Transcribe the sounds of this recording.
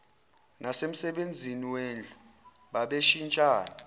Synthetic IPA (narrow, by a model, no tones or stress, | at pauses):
nasem̩sɛɓend͡zʱiniwend͡ɮʱu | ɓaɓeʃint͡ʃʼaːna